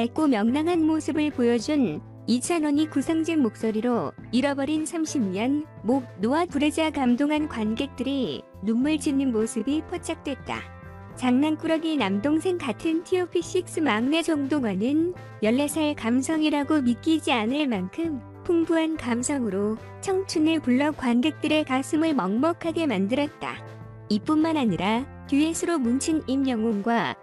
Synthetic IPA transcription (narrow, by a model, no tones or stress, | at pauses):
aɭk͈omjʌŋnaŋɦanmosʰɯbɯɭpojʌd͡ʑun | it͡ɕʰʌnwʌɲikusʰaŋd͡ʑeŋmok̚s͈oɾiɾo | iɾʌbʌɾinsʰamɕʰimɲʌn | monoatuɾed͡ʑakamdoŋɦankwanɡe̞k̚t͈ɯɾi | numːɯɭt͡ɕinːɯnmosʰɯbipʰʌt͡ɕ͈ak̚t͈we̞t̚t͈a̰ | t͡ɕaŋnank͈uɾʌɡinamdoŋsʰe̞ŋkatʰɯntʰiopʰiɕ͈ik̚s͈ɯmaŋne̞d͡ʑʌŋdoŋwanɯn | jʌɭːesʰaɭkamsʰʌŋiɾaɡomik͈id͡ʑianɯɭmankʰɯm | pʰuŋbuɦankamsʰʌŋɯɾo | t͡ɕʰʌŋt͡ɕʰunɯɭpuɭːʌkwanɡe̞k̚t͈ɯɾe̞kas͈ʰɯmɯɭmʌŋmʌkʰaɡe̞mandɯɾʌt̚t͈a̰ | ip͈unmanaɲiɾa | tjuesʰɯɾomunt͡ɕʰɯnimjʌŋoŋɡwa